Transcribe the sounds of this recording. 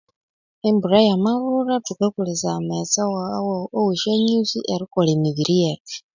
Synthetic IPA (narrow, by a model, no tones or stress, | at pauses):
embuɾajamaβuɾatukakulizamet͡sawawoweʃaɲusiʔeɾikolemiβiɾijaki̥